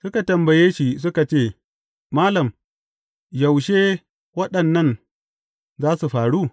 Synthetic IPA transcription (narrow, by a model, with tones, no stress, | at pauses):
sʊ˦ka˨tɐ˨mbɐ˨jeː˦ʃi˦s̬ʊ˦ka˨t͡ʃeː˦˨ | maː˦lɐ˨m | jɐ˨wʃeː˦ | wɐ˦ɗɐ˨nːɐ˦˨n | zaː˦su˨ɸaː˨ɽuː˦